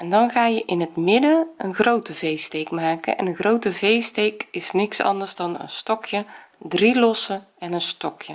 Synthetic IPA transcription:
ɛndɔnɣaːjəʔɪnətmɪdəənɣrowtəvejstejkmaːkə̰nʔɛ̰nənɣrowtəvejstejkɪsnɪksɑ̰ndərzdɔnə̰nstɔkjədrilɔsə | ɛnənstɔkʰjə

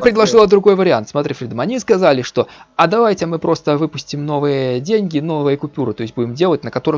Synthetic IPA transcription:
pɾʲɪd̪lˠɐʐɨlˠəd̪ɾʊɡo̞jvəɾʲɪant̪smɐt̪ɾʲifɾʲid̪əmɐnʲiskɐzalʲɪʂt̪o̞ɐd̪ɐvajtʲɪamɨpɾʔo̞st̪əvɨpʊsʲtʲɪmno̞vɨjədʲenʲɡʲɪno̞vɨjəkʊpʲuɾɨt̪o̞ɪsʲbudʲɪmdʲe̞lˠətʲnəkɐt̪o̞ɾɨ

